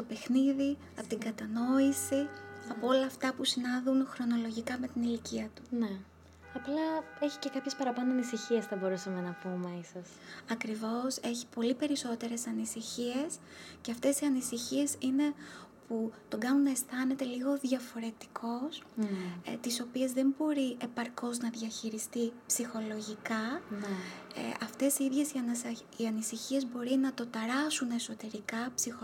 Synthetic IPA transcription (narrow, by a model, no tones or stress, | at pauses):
t̪o̞pe̞xniði | ɐpot̪iŋɡɐt̪ɐno̞isiɐpoo̞lɐːft̪ɐpusinɐðunxɾo̞no̞lo̞ʝikɐme̞t̪iniliciɐt̪u̥ne | ɐplɐe̞çi̥ce̞kɐpçe̞spɐɾɐpɐnoɐnisiçie̞sθɐbo̞ɾusɐme̞nɐpume̞isɐsɐkɾivo̞se̞çipo̞lipe̞ɾiso̞t̪e̞ɾe̞sɐnisiçie̞s | ce̞ɐft̪e̞siɐnisiçie̞sine̞put̪o̞ɡɐnunɐest̪ɐne̞t̪e̞liɣo̞ðʝɐfo̞ɾe̞t̪i̥kʰo̞s | t̪iso̞pie̞zðembo̞ɾie̞pɐɾko̞znɐðʝɐçiɾist̪ipsixo̞lo̞ʝikɐn̰ | ɐft̪e̞siiðʝe̞siɐ | iɐnisiçie̞zbo̞ɾinɐt̪o̞t̪ɐɾɐsune̞so̞t̪e̞ɾikɐpsixo